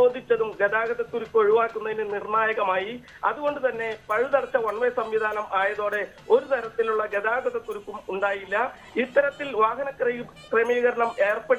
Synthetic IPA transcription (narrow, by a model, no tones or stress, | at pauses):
o̞ːd̪ʱːit͡ɕːɐðumɡed̪aːɣɐðɐt̪ːuɾukːo̞ɻuʋaːkːunːɐðinɨnirɳaːjɐɣɐmaːji | ɐ̰ðuɣo̞ɳɖɨt̪ɐnːe̞pɐɻuðɐrt͡ɕːɐʋɐɳmɐsɐmʋid̪ʱaːnɐmaːjɐðo̞ːɽe̞ | o̞ɾut̪ɐɾɐt̪ːiluɭːɐɡed̪aːɡɐðɐt̪ːuɾukːumuɳɖaːjilːɐ | it̪ːɐɾɐt̪ːilʋaːɦɐnɐkr | kremiːɣɐɾɐɳɐme̞ːrpɐɽ